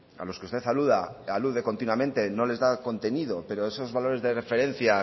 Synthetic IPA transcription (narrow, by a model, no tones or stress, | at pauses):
a̰lo̞skeust̪e̞θaluðaaluðe̞ko̞nt̪inwamẽ̞nt̪e̞no̞le̞zðako̞nt̪e̞niðo̞pe̞ɾo̞e̞so̞zβalo̞ɾe̞zðe̞re̞fe̞ɾe̞n̟θja